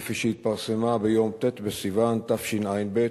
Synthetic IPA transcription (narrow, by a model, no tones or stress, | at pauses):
fiʃehit̪̚paʁsemabejo̞mt̪et̪besivant̪afʃinʔajnbe